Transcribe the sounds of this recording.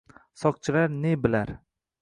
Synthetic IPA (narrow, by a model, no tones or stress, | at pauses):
sɒq̚t͡ʃʰɪlaɾnebɪlaɾ